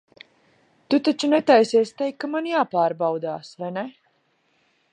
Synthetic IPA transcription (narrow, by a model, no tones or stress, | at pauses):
t̪ut̪at͡ʃunɛt̪ajsiɛsʲt̪ɛjkːamanjaːpaːɾbawd̪aːsvajnɛ